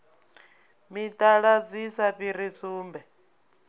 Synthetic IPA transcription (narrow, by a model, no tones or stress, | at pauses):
mitʼaɺad͡zisaɸiɾisuːmbɛ